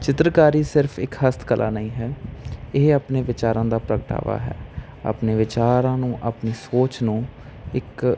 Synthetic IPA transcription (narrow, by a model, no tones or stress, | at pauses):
t͡ʃɪt̪ɾəkaːɾiːsɪɾfʰɪkhəst̪kəlʔa̰ːnəĩːɦɛːɪɦaːpneːʋɪt͡ʃaːɾãːd̪aːpɾəkəʈa̰ːʋa̰ːɦɛ̰ː | a̰ːpneːʋɪt͡ʃaːɾãːnũːʔaːpniːsoːt͡ʃnũː | ɪk